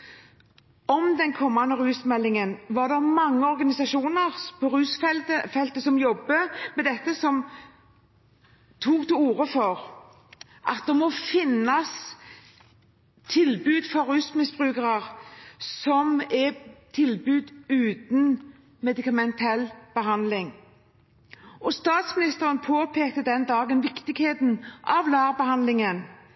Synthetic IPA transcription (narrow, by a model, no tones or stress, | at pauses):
ɔmd̪ɛnkʰɔmːɑnːəɾʉːsmɛlːɪŋənʋɑd̪ɛmɑŋːəɔɾɡɑnɪsɑʃuːnəɾpʰɔɾʉːsfɛlt̪əfɛlt̪əsɔmjɔbːəmɛd̪ɛt̪ːəsɔm | t̪ʰuːkt̪ɪluːɾəfɔɾ | ʔɑt̪̚d̪ɛmɔfɪnːɑs | t̪ʰɪlbʉːd̪fɔɾʉsmɪsb̥ʁʉːkəɾəʁsɔmɛt̪ʰɪlbʉːd̪ʉːt̪n | mɛd̪ɪkɑmɛnt̪ʰɛlːb̥əɦɑnd̪lɪŋ | ɔst̪ɑːt̪smɪnɪst̪əɾənpʰoːpʰeːkt̪əd̪ɛnd̪ɑːɡənʋɪkt̪ɪɡheːt̪n̩ʔɑʋlɑːʁbəhɑnd̪lɪŋən